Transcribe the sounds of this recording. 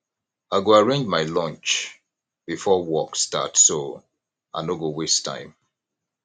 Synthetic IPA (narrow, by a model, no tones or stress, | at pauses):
aɪɡoaɹẽnd͡ʒmaɪlɔ̃nt͡ʃ | b̥ifɔwɔksta̰tso | anoɡowestʰã̰ɪ̃m